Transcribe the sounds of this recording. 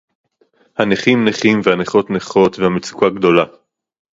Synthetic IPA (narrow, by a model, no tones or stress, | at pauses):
haneχimneχimvehaneχo̞tneχo̞tvehamet͡su̥kaɡdo̞la